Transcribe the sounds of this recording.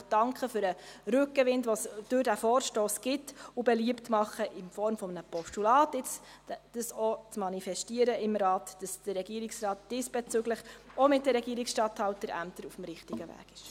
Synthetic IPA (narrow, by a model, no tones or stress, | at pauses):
d̥ɑŋkχəfʏɾəɾʉkːəʋɪndʋɔsd̥øɾd̥æfɔːɾʃtoːsɡ̥ɪtʊbɛliəptmɑχəʔɪnfɔɾmfɔmənəpɔstulɑːtɪt͡s | d̥əsɔt͡smɑnifɛʃtiəɾəɪmɾɑːtd̥ɑsd̥ərːɛɡ̥iəɾiksrɑːtd̥isb̥ɛt͡søɡləχɔmɪtdəɾɛɡiəɾɪksʃtɑthɑltəɾæ̰mtəɾufm̩ɾɪχtiɡəvæ̰ːɡ̥ɪʃ